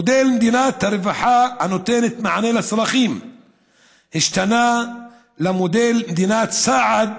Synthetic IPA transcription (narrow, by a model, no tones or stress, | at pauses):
od̪elmd̪inat̪haɾevaħahanot̪enet̪maʕanelasolaχim | hiʃt̪ana | lamod̪elmd̪inat̪saʕad̪̚